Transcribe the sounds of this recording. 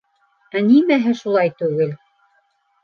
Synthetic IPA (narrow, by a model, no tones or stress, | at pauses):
ænimæɦɘʃulˠɑjt̪ʉɡɘl